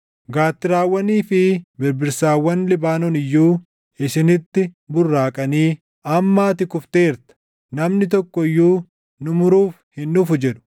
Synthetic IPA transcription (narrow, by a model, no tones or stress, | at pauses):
ɡaːt̪ːɪɾaːwːɐniːfɪbɪɾbɪɾsaːwːɐnlɪbaːnɔnɪjːuː | ɪsɪnɪt̪ːɪbʊrːaːkʼɐniː | ɐmːaːt̪ɪkʊft̪e̞ːɾt̪ɐ̥ | nɐmnɪt̪̬ɔkːɔjːuː | nʊmʊɾuːfhɪnːʊfʊd͡ʒɛᶑʊ̥